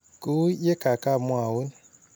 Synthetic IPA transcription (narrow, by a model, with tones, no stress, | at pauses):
ku˦je˦ka˨ka˦˨mwa˨wu˦n